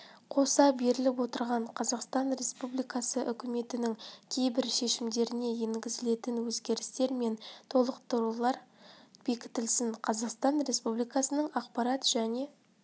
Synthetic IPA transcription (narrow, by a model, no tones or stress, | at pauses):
qʰo̞sɑbe̞ɾɪlɪp̬wo̞t̪əɾʁɑɴqʰɑzɑqst̪ɑnɾe̞spublijkɑsəʔʏkʲɪme̞t̪ɪnɪŋkʲʰe̞jbɪɾʃe̞ʃɪmd̪e̞ɾɪne̞jeŋɡʲɪzɪle̞t̪ɪnwɵzɡʲe̞ɾɪst̪e̞ɾme̞nt̪ʰo̞lˠəqt̪əɾulˠɑɾb̥e̞kʲɪ̥t̪ɪlsɪɴqʰɑzɑqst̪ɑnɾe̞spublˠijkɑsənəɴɑqpɑɾɑt̪ʒ̥æne̞